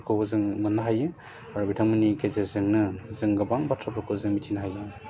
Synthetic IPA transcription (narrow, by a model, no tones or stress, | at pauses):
kʰozɯŋmɯnːɯɦajɯ | aɾubitʰaŋmɯnikezezɯŋnɯzɯŋɡɯbaŋbatʰɾapʰɔkʰozɯŋmitʰinaɦajɯ